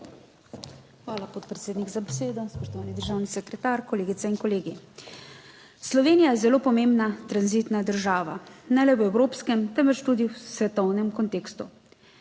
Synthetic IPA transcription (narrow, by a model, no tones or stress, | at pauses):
xʋaːlapot̪̚pɾɛt̪seːd̪nikzabɛseːd̪ɔspɔʃt̪ɔʋaːnid̪əɾʒaːwnisɛkɾɛt̪aːɾkɔleːɡit̪sɛinkɔleːɡi | slɔʋeːnijajɛzɛloːpɔmembnat̪ɾanzit̪nad̪əɾʒaːʋa̰nalɛɛwɾoːpskɛmt̪ɛmvɛt͡ʃt̪ud̪iwsʋɛt̪ɔwnɛmkɔnt̪eːkst̪u